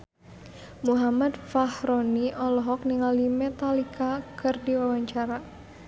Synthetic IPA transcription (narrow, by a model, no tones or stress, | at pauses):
muɦamad̪fahɾɔniʔɔlɔɦɔk̚niŋalimɛt̪alikakʰɨrdiwawaɲt͡ʃaɾa